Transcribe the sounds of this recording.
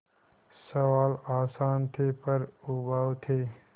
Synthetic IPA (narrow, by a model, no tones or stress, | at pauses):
sɐwaːlaːsaːnt̪ʰeːpɐɾubaːwt̪ʰeː